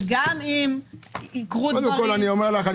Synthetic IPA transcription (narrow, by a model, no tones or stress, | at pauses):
ɡamimikʁuoekolaniomeʁlaχa